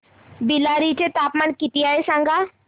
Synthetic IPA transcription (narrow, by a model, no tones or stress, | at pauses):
bilaɾit͡ɕet̪apmaɳkit̪iaesãŋɡa